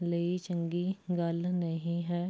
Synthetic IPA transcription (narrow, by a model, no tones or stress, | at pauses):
leːit͡ʃə̃ŋɡiɡɐlnɐɦĩɦɛː